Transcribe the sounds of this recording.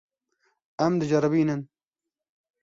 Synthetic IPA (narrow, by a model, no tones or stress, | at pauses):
ɐmd̪ɨd͡ʒɐɾɨbiːnɨn